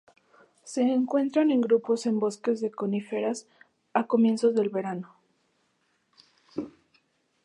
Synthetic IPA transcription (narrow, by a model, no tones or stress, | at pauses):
se̞ːŋkwe̞nt̪ɾane̞ŋɡɾupo̞se̞mbo̞ske̞zðe̞ko̞nifeɾas | ako̞mje̞nso̞zðe̞lβe̞ɾano